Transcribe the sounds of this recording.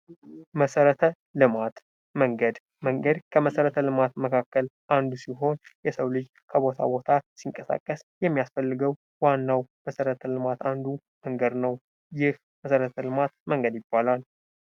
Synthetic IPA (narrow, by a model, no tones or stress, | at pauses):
məsəɾət̪ʰə | lɨmat̪ | məŋɡəd̪ | məŋɡəd̪kʰəməsəɾət̪ʰəlɨmat̪məkʰakːəlʔand̪usiɦo̞njɛsəwlɨd͡ʒ | kʰəβo̞t̪ʰa̰bo̞t̪ʰasiŋkʼəsa̰kʼːəsjɛmːijasfəlːɨɡəw | wanːawməsəɾət̪ʰəlɨmat̪and̪u | məŋɡəd̪nəw | jɪh | məsəɾət̪ʰəlɨmat̪məŋɡəd̪jɪbːalal